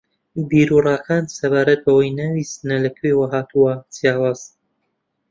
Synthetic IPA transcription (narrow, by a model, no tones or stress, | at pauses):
biːɾuːrˤɑːxaːnsɐβaːɾɐt̪̚bɐwajnaːwisɨnɐlɐkʰewaɦaːt̪ʰuwɐt͡sjaːwaːz̥